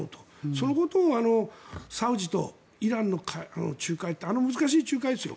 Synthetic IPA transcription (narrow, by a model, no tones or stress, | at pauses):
o̰t̪o̥ | sonoko̞t̪oːano̞saɯ̟ʑit̪o̞̰ | iɾãnːokʰaano̰t͡ɕɨːkait̪ːeano̞mɯzɨkaɕiːt͡ɕɨːkaid̪e̞sɨjo̰